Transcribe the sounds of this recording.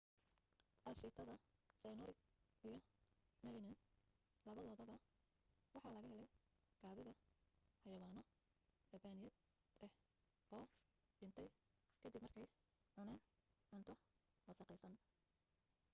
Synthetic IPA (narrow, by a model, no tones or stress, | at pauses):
ʔɐlʃiːt̪ʰɐðɐsɛjnɔɾɪ | ijɞmɛlɪmɛn | lɐβɐðɔːðɔβɐ | wɑħɑːlɐɣɐhɛlɛj | ɡ̥aːðɪðɐhɐjɐwaːnɔ | ɖɐbaːnɪjɛd̪ | ɛh | ɔː | dɪnt̪ʰɛjkʰɐd̪ibmɐrkʰɛjʕʊnɛːnʕʊnt̪ʰɔ | mɐsɑqɛjsɐn